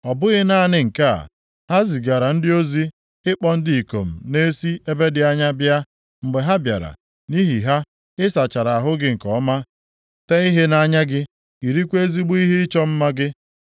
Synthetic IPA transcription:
ɔ˨bʊ˦ɣɪ˦na˦nɪ˨ŋ̩˨ka̰˦˨ | ha˦zi˨ɡa˨ɾa˨n̩˦dɪ˦o˦zi˦ | ɪ˦k͡pɔ˦n̩˦dɪ˦˨i˨ko̰˨m̩˨ne˦si˦e˦be˦dɪ˨a˦ɲa˦bja˦ | ŋ͡m̩˨ɡ͡be˨ɦa˦bja̰˨ɾa̰˨ | ni˦ɦi˨ɦa˦ | ɪ˦sa˨t͡ʃa˨ɾa˨a˨ɦʊ˦ɡɪ˦ŋ̩˨kɔ˨˦ma˦ | te˦i˦ɦe˦na˦ɲa˦ɡɪ˦ | i˨ɾi˦kʷe˦zi˦ɡ͡bu˦i˦ɦi˦ɪ˦t͡ʃɔ˦m̩˦ma˦ɡɪ˦

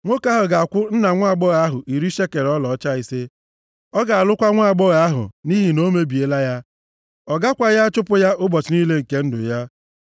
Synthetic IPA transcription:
ŋʷo˦ka˦ɦʊ˨ɡa˨a˨kʷʊ˦n̩˦na˨ŋʷa˦a˨ɡ͡bɔ˦ɣa˦ɦʊ˨ʔi˨ɾi˦ʃe˦ke˨ɾɔ˦lɔ˨ɔ˦t͡ʃa˦i˦se˦ | ɔ˦ɡa˨a˨lʊ˦kʷa˦ŋʷa˦a˨ɡ͡bɔ˦ɣa˦ɦʊ̰˨ni˦ɦi˨no˦me˦bi˨e˨la˦ja˦ | ɔ˨ɡa˦kʷa˦ja˦t͡ʃʊ˦pʊ˦ja˦ʔʊ˦bɔ˨t͡ʃɪ˨ni˦le˦ŋ̩˨ke˦n̩˦dʊ̰˨ja˦

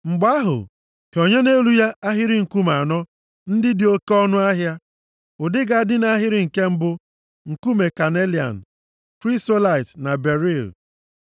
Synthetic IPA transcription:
ŋ͡m̩˨ɡ͡ba˦ɦʊ̰˨ | ke˨o˨ɲe˦ne˦lu˦ja˦ʔa˦ɦɪ˦ɾɪ˦ŋ̩˨ku˦ma˨nɔ˦ | n̩˦dɪ˦dɪ˨o˦ke˦ɔ˦nʊ˦a˦ɦja˦ | ʊ˨dɪ˦ɡa˦˨˦dɪ˦na˦ɦɪ˦ɾɪ˨ŋ̩˨ke˦m̩˦bʊ˦ | ŋ̩˨ku˦me˨ka˨ne˦li˨a̰˨n̩˨ | kɾi˦sto˦la˨ɪ˨tna˨be˨ɾi˦˨l

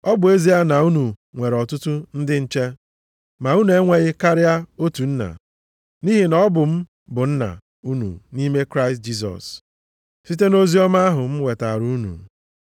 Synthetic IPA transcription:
ɔ˦bʊ˨e˦zi˦a˦na˨u˦nu˨ŋʷe˨ɾɔ˨tʊ˦tʊ˦n̩˦dɪ˦n̩˦t͡ʃe˦ | ma˨u˦nu˨e˦ŋʷe˦ɣɪ˦ka˦ɾɪ˦a˦o˦tu˨n̩˦na̰˨ | ni˦ɦi˨nɔ˦ɔ˦bʊ˨m̩˦ | bʊ˨n̩˦na̰˨ | u˦nṵ˨ni˦me˦kɾa˦ɪ˨st̚d͡ʒi˦s̬ɔ̰˨s | si˦te˦no˦zi˦ɔ˦ma˦a˦ɦʊ˨m̩˦we˨ta̰˨ɾu˦nṵ˨

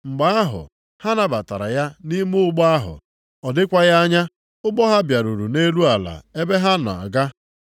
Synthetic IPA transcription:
ŋ͡m̩˨ɡ͡ba˦a˦ɦʊ̰˨ | ha˦na˦ba˨ta˨ɾa̰˨ja˦ni˦mu˦ʊ˦ɡ͡bɔ˦a˦ɦʊ̰˨ | ɔ˨dɪ˦kʷa˦ja˦ɲa˦ | ʊ˦ɡ͡bɔ˦ɦa˦bja˨ɾu˨ɾu˨ne˦lu˦a˨la̰˨e˦be˦ɦa˦nʊ̰˨a̰˨ɡa˦

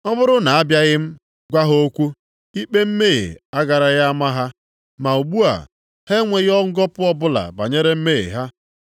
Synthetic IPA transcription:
ɔ˦bʊ˦ɾʊ˦na˨a˦bja˦ɣɪ˦m̩˦ | ɡʷa˦ɦo˦kʷu˦ | i˦k͡pe˦m̩˦me˦˨ḛ˨a˦ɡa˨ɾa˨ɣa˦ma˦ɦa˦ | ma˨u˨ɡ͡bu˦a̰˨ | he˦ŋʷe˨ɣɔ˦ŋ̩˦ɡɔ˦pʊ˦ɔ˦bʊ˦la̰˨ba̰˨ɲe˦ɾe˦m̩˦me˦ḛ˨ɦa˦

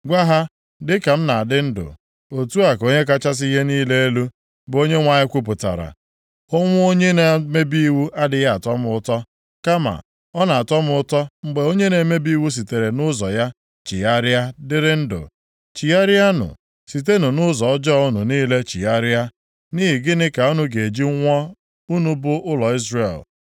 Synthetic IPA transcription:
ɡʷa˦ɦa˦ | dɪ˦ka˨m̩˦na˨a˨dɪ˦n̩˦dʊ̰˨ | o˨tu˦a˨ko˦ɲe˦ka˦t͡ʃa˦s̬i˦i˦ɦe˦niː˦le˦e˦lu˦ | bo˦ɲe˦ŋʷa˨ɲɪ˦kʷu˦p̬ʊ˨ta̰˨ɾa̰˨ | ʊ˦ŋʷʊ˦o˦ɲe˦na˨me˦bi˦wu˦ʔa˦dɪ˨ja˦a˨tɔ˦mʊʊ˦tɔ˦ | ka˦ma̰˨ | ɔ˦na˨a˨tɔ˦m˦ʊ˦tɔ˦ŋ͡m̩˨ɡ͡be˨o˦ɲe˦ne˨˦me˦bi˦wu˦s̬i˨te˨ɾe˨nʊ˦zɔ˨ja˦ | t͡ʃḭ˨a˦ɾɪ˦a˦dɪ˦ɾɪ˦n̩˦dʊ̰˨ | t͡ʃi˨a˦ɾja˦nʊ̰˨ | si˨te˦nʊ˨nʊ˦zɔ˨ɔ˦d͡ʒɔ˦˨ʊ˦nʊ˨niː˦le˦t͡ʃi˨a˦ɾɪ˦a˦ | niː˦ɦi˨ɡɪ˦nɪ˦ka˨u˦nu˦ɡe˨d͡ʒi˦ŋʷɔ˦ | u˦nu˦bʊ˦ʔʊ˦lɔ˨i˦zre˨l

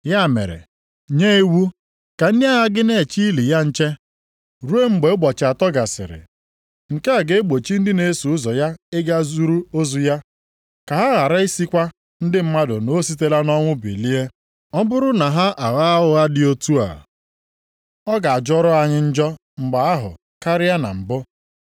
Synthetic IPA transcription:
ja˦˨mḛ˨ɾḛ˨ | ɲe˦e˦wu˦ | ka˨n̩˦dɪ˦a˦ɦa˦ɡɪ˦ne˨t͡ʃi˦i˦li˨ja˦n̩˦t͡ʃe˦ | ɾu˦e˦ŋ͡m̩˦ɡ͡be˨˦bɔ˨t͡ʃa˨tɔ˦ɡa˨sɪ̰˨ɾɪ̰˨ | ŋ̩˨ke˦a˨ɡe˦e˦ɡ͡bo˨t͡ʃi˦n̩˦dɪ˦ne˦su˨ʊ˦zɔ˨ja˦ɪ˦ɡa˦zu˦ɾu˦o˦zu˨ja˦ | ka˨ɦa˦ɣa˨ɾa˦i˦si˦kʷa˦ | n̩˦dɪ˦m̩˦ma˦dʊ̰˨no˦si˦te˦la˦nɔ˦ŋʷʊ˦bḛ˨li˦e˦ | ɔ˦bʊ˦ɾʊ˦na˨ɦa˦ʔa˨ɣa˦a˦ʊ˦ɣa˦dɪ˦o˦tu˦a̰˨ | ɔ˦ɡa˨a˨d͡ʒɔ˦ɾɔ˦a˨ɲɪ˦n̩˦d͡ʒɔ˦ | ŋ͡m̩˨ɡ͡ba˨a˦ɦʊ̰˨ | ka˦ɾɪ˦ja˦na̰˨m̩˨bʊ˦

